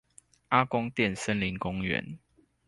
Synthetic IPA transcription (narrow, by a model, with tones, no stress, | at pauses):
a˦kʊ˦ŋt̪jɛ˥˨nsə˦nli˨˦ŋkʊ˦ŋɥɛ̰˨˦n